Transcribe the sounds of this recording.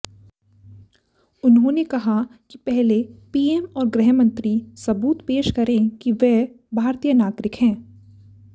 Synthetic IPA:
ʊnɦõnekɐɦakipɛɦlepiːeːmɔːɾɡɾɛɦmɐ̃nt̪ɾisɐbuːt̪peːʃkɐɾẽkiʋɛː | bʱaːɾt̪ijənaːɡɾɪkɦɛ̃ː

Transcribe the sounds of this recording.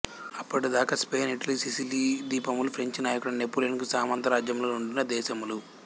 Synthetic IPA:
ɐpːɐʈid̪aːkɐspeːniʈɐliːsisiliːd̪iːpɐmulupʰɾeɲt͡ʃnaːjɐkuɽɐnepːulenkusaːmɐnt̪ɐɾaːd͡ʒjɐmloːuɳɖunːɐd̪ɛːʃɐmulu

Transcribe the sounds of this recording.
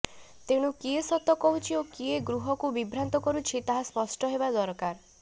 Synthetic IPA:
t̪eɽ̃ukiesɔt̪ːɔkɔɦut͡ʃʰiokieɡɾuɦɔkubibʱɾant̪ɔkɔɾut͡ʃʰit̪aɦaspɔsʈɔɦebad̪ɔɾkaɾ

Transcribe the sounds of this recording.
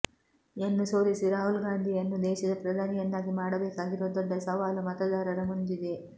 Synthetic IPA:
enːusoːɾisiɾaːɦulɡaːnd̪ʱiɐnːud̪ɛːʃɐd̪ɐpɾɐd̪ʱaːnijɐnd̪aːɡimaːɽɐbeːkaːɡiɾod̪ɔd̪ːɐsɐʋaːlumɐt̪ɐd̪aːɾɐɾɐmund̪id̪e̞

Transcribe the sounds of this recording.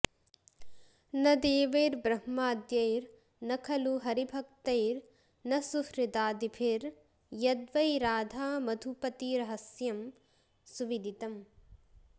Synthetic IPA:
nɐd̪eːʋɐjɾbɾɐhmaːd̪jɐjɾ | nɐkʰɐluɦɐɾibʱɐk̚t̪ɐjɾ | nɐsuhɾid̪aːd̪ipʰiɾ | jɐd̪ʋɐjɾaːd̪ʱaːmɐd̪ʱupɐt̪iɾɐɦɐsjɐm | suʋid̪ʱit̪ɐm

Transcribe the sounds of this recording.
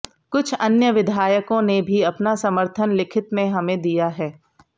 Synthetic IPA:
kʊt͡ʃʰɐnjəʋɪd̪ʱaːjəkõnebʱiɐpnasɐməɾt̪ʰənlɪkʰɪt̪mẽɦɐmẽd̪ijaɦɛː

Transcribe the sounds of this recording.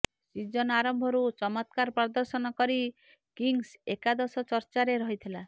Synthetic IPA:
sid͡ʒɔnaɾɔmbʱɔɾut͡ʃɔmɔt̪kaɾpɾɔd̪ɔɾsɔnɔkɔɾi | kiŋsekad̪ɔsɔt͡ʃɔɾt͡ʃaɾeɾɔɦit̪ʰila

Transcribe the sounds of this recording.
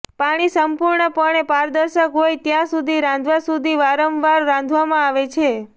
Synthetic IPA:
paɽ̃isəmpuɾɳəpəɳepaɾd̪əɾʃəkɦojt̪jãsud̪ʱiɾãnd̪ʱʋasud̪ʱiʋaɾəmʋaɾːãnd̪ʱʋamãaʋet͡ʃʰe

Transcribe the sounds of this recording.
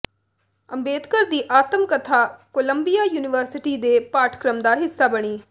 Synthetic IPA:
əmbeːd̪kəɾd̪iːʔaːt̪əmkət̪ʰaːkoːləmbijaːjuːnɪʋəɾsɪʈiːd̪eːpaːʈʰkɾəmd̪aːɦɪsːaːbəɽ̃iː

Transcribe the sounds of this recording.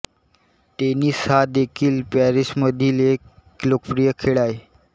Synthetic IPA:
t̪eniːshɦad̪ekʰiːlpɛɾisməd̪ʱilekː | lokfɾijəkʰeɭae

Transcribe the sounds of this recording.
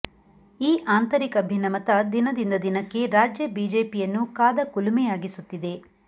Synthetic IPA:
iːʔaːnt̪ɐɾikɐbʱjɐnɐmɐt̪ɐd̪inɐd̪ind̪ɐd̪inɐkːe̞ɾaːd͡ʒjɐbiːd͡ʒeːpijɐnːukaːd̪ɐkulumɛjaːɡisut̪ːid̪e̞

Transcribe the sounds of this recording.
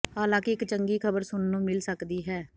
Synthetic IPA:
haːlãːkɪɪkt͡ʃəŋɡiːkʰəbəɾsʊnːũːmɪlsəkd̪iːɦɛː

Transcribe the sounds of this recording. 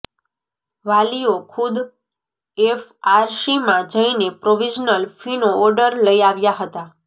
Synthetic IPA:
ʋaliokʰud̪ | efaɾʃimãd͡ʒəinepɾoʋid͡ʒnəlfinoɔɾɖəɾləiaʋjaɦət̪a

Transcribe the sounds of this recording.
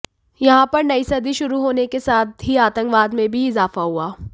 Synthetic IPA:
jɐɦãpɐɾnɐisɐd̪iʃʊɾuɦoːnekesaːt̪̚ɦiaːt̪ə̃ŋkʋaːd̪mẽbʱiɪzaːfaɦuaː

